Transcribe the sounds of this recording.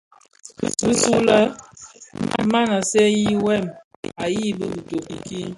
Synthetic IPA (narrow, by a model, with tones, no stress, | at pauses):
bi˦su˦la˦ | ma˦na˨sɛ˦ji˦wɛ˦˨m | a˨ji˦˨bə˦bu˨to˨ki˨ki˦